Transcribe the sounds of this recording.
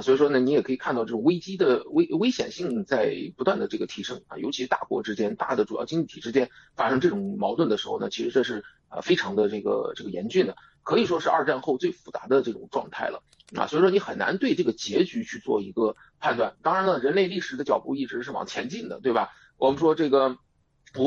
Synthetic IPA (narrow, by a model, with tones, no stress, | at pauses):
swi˨˩ʂ̬wɔ˥nə˨ni˧˥jɛ˨˩kʰɤ˧˥i˨˩kʰa˥˧t̪ɑ˥˧ʊʈ͡ʂɤ˥˩ʊ˨˩we˥ɪt͡ɕi˥d̪ə˨we˥ɪwe˥ɪɕjɛ̰˨˩nɕi˥˧ŋt͡sa˥˩ɪpu˧˥t̪wa˥˩nd̪ə˩ʈ͡ʂɤ˥˩ɡə˩t̪ʰi˧˥ʂɤ˥ŋɐ̰˩jo˧˥ʊt͡ɕʰi˧˥ɻ̩˧˥t̪a̰˥˩kwɔ̰˧˥ʈ͡ʂɻ̩˥t͡ɕjɛ˥nt̪a̰˥˩d̪ə˩ʈ͡ʂu˨˩jɑ̰˥˩ʊt͡ɕi˥ŋli˥˩t̪ʰi˨˩ʈ͡ʂɻ̩˥t͡ɕjɛ˥nfa˥ʂɤ˥ŋʈ͡ʂɤ˥˩ʈ͡ʂʊ˨˩ŋmɑ˧˥ʊt̪wə˥˩nd̪ə˩ʂɻ̩˧˥xo˥˧ʊnə˨˩t͡ɕʰi˧˥ʂɻ̩˧˥ʈ͡ʂɤ˥˧ʂɻ̩˥˩ | ə̰˧˩fe˥ɪʈ͡ʂʰɑ˧˥ŋd̪ə˧ʈ͡ʂɤ˥˩ɡə̰˩ʈ͡ʂɤ˥˩ɡə˩jɛ̰˧˥nt͡ɕy˥˩nd̪ə˩ | kʰɤ˧˥i˨˩ʂwɔ˥ʂɻ̩˥˧ɐ̰˞˥˧ʈ͡ʂa˥˧nxo˥˧ʊt͡swe˥˩ɪfu̥˨˩t͡sa̰˧˥d̪ə˧ʈ͡ʂɤ˥˩ʈ͡ʂʊ̰˨˩ŋʈ͡ʂwɑ̰˥˧ŋt̪ʰa˥˩ɪlə̰˩ | swɔ˧˥i˨˩ʂwɔ˥ni˧˥xə˨˩nna̰˧˥nt̪we˥˧ɪʈ͡ʂɤ˥˩ɡə˩t͡ɕjɛ˧˥t͡ɕy˧˥t͡ɕʰy˥˧t͡swɔ˥˩i˧˥ɡə˧ | pʰa˥˧nt̪wa˥˩nt̪ɑ˥ŋɻa˧˥nə˧ɻə˧˥nle˥˧ɪli˥˩ʂɻ̩˨˩d̪ə˧t͡ɕjɑ˨˩ʊpu˥˧i˥˩ʈ͡ʂɻ̩˧˥ʂɻ̩˥˩wɑ̰˨˩ŋt͡ɕʰjɛ˧˥nt͡ɕi˥˩nd̪ə̰˩t̪we˥˩bɐ˩ | wɔ˨˩mə˦nʂwɔ˥ʈ͡ʂɤ˥˩ɡə˩ | pu˧˥